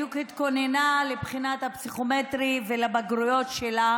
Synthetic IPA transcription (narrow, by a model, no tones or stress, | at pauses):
ukhit̪ko̞nenalebχinat̪hapsiχo̞met̪ʁivelabaɡʁujo̞t̪ʃela